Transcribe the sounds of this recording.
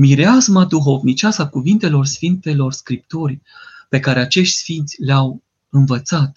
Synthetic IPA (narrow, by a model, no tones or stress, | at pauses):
miɾeazmad̪uɦo̞vnit͡ʃasakuvint̪e̞lo̞rsfint̪e̞lo̞rskɾip̚t̪o̞rʲpe̞kaɾe̞at͡ʃe̞ʃt̪ʲsfint̪sʲleaw | ɨnvət̪sat̪